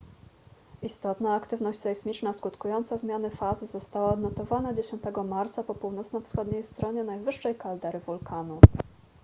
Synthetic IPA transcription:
ist̪ɔt̪naːkt̪ɘvnɔɕt͡ɕʲsɛismʲit͡ʂnaskut̪kujɔnt̪sazmʲjanɘfazɘzɔst̪awaɔd̪nɔt̪ɔvanad͡ʑeɕɔnt̪ɛɡɔmaɾt̪sapɔpuwnɔt̪snɔfsxɔd̪ɲejst̪ɾɔɲɛnajvɘʂːɛjkald̪ɛɾɘvulkʰanu

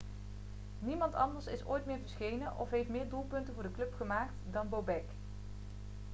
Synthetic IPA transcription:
nimɑntɑ̰ndəɹsɪso̰ːjtmɪːɹvəɹsχejnənʔɔ̰fɦejftmɪːɹdulˠpɵntənvʊːɹdəklɵpχəmaːk̚tdɑnbowbɛk

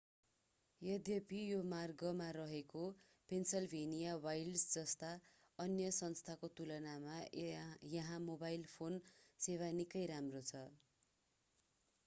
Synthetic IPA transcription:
jʌd̪ʱjʌpijomarɡʌmaɾʌɦeko | pensʌlbʱenijawajlsd͡zʌst̪a | ʌnjʌsʌnst̪ʰakot̪ulʌnama | jʌɦãmobajlpʰonsewanikʌjɾamrot͡sʰʌ

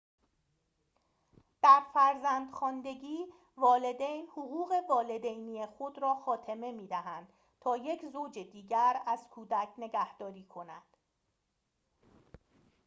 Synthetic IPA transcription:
d̪̥æɾfæɾzænd̪xɒːnd̪e̞ɡiː | vɒːle̞d̪ejnhoɣuːɣe̞vɒːle̞d̪ejnijexo̞d̪ɾɒːxɒːt̪ʰe̞me̞miːd̪æɦænd̪̥ | t̪ʰɒːje̞cʰzoːd͡ʒed̪iːɟæɾæz̥kʰuːd̪æcʰne̞ɡæhd̪̥ɒːɾiːkʰo̞næd̪̥

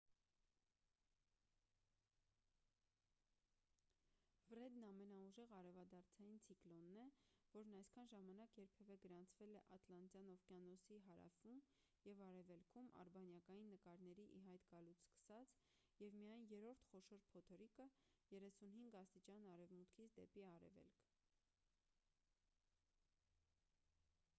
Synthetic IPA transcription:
fɾɛd̪nɑmɛnɑuʒɛʁɑɾɛvɑd̪ɑɾt͡sʰɑjint͡sʰiklɔnːɛvɔɾnɑjskʰɑnʒɑmɑnɑkjɛɾpʰɛvɛɡəɾɑnt͡sʰvɛlɛʔɑt̪lɑnt͡s̪jɑnɔvkjɑnɔsiɦɑɾɑ̰fum | jɛvɑɾɛvɛlkʰumɑ̰ɾbɑnjɑkɑjinːəkɑɾnɛɾiʔiɦɑjt̪ɡɑlut͡sʰskə̥sɑt͡s | jɛvmijɑjnjɛɾɔɾt̪ʰχɔʃɔɾpʰɔt̪ʰɔɾikəjɛɾɛsunɦiŋɡɑst̪it͡ʃɑnɑɾɛvmut̪kʰit͡sʰd̪ɛpiɑɾɛ̰vɛ̰lkʰ

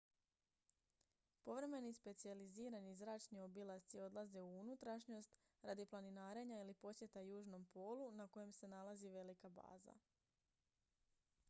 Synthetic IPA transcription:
po̞ʋɾe̞me̞nispe̞t̪sializiːɾanizɾaːt͡ʃnio̞bilˠat̪sio̞d̪lˠaze̞uunut̪ɾaʃɲo̞st̪ | ɾad̪iplaninaːɾe̞ɲailipo̞sje̞t̪ajuːʒno̞mpo̞ːlunako̞je̞mse̞nalˠaziʋe̞likaba̰ːza̰

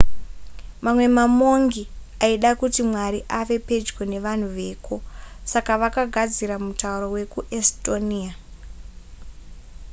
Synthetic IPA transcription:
mamwe̞mamo̞ŋɡi | aiɗakutimwaɾiʔaʋe̞pe̞d͡ʒɡwe̞ne̞ʋan̤uʋe̞ːko̞sakaʋakaɡʱad͡ziɾamutauɾowe̞kuʔestonia

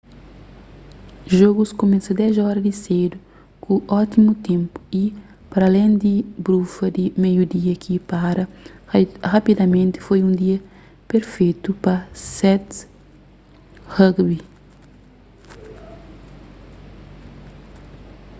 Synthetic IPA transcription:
ʒoɡuskomesɐd̪ɛzɔɾɐd̪ised̪u | kuɔt̪imut̪ẽmpu̥i | pɐɾɐlẽnd̪ibɾufɐd̪imejud̪iɐkʰipaɾɐ | rapid̪ɐmẽnt̪ɪ̥fojũnd̪iɐ | peɾfejt̪upɐsɛt̪ | hɐɡbi

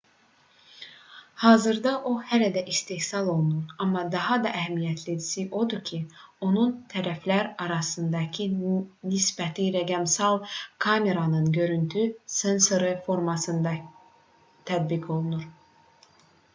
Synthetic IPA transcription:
hɑːzɯɾd̪ɑʔo̞hælæd̪æʔist̪ehsɑlˠo̞lˠunuɾɑmːɑd̪ɑɦɑd̪ɑʔæɦæmijæt̪ʰled̪isiʔo̞d̪ucʰio̞nunt̪ʰæɾæflæɾɑɾɑsɯnd̪ɑcʰinisbæt̪ʰiɾæɡæmsɑlˠkʰɑme̞ɾɑnɯnɟø̞ɾynt̪ʰysenso̞ɾɯfo̞ɾmɑsɯnd̪ɑ | t̪ʰæd̪̚bikʰo̞lˠunuɾ

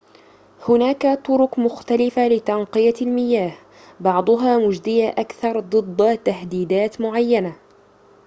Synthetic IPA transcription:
hʊnaːkat̪ˤʊɾʊqmʊxt̪alɪfalɪt̪ɑnqɨjalmɪjaːh | bɑʕd̪ˤʊɦaːmʊd͡ʒd̪ɪjaʔakθɑɾˤd̪ˤɨd̪ˤːt̪ahd̪iːd̪aːt̪mʊʕajːana

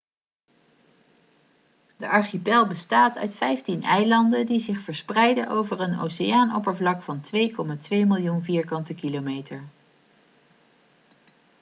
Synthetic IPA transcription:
dəʔɑɹχipɛlˠbəstaːtœ̰ɥtfɛjftinɛjlɑndədizɪχfəɹsprɛjdəʔo̰wvəɹəno̰ːsejaːnɔ̰pəɹvlɑkfɑntʋejkɔmaːtʋejmɪlˠjunviːɹkɑntəkilomejtəɹ

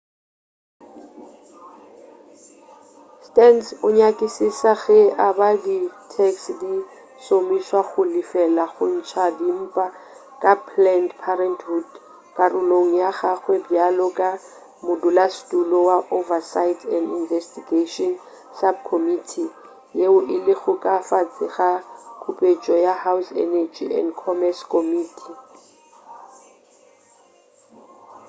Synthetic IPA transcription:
stɛnsʊɲakʼɪsisaɣɛʔabaditʰɛksdi | somiswaχʊlifɛlaχʊn̩t͡ʃʰadim̩ːpʼa | kʼapʰlɛndpʰaɾɛntʰhud | kʼarʊloŋ̩jaɣaχwebjalɔkʼa | mʊdulastʼulɔwaʔovasaɪtʰɛndinvɛstiɡeʃɔn | sab̚kʰomitʰi | jeʊʔɪlɪɣʊkʼafat͡sʼɪχakʰupʼet͡ʃʼɔjahawsɛ̰nɛd͡ʒḭɛ̰ndkʰɔmɛskʰomiːtʰi

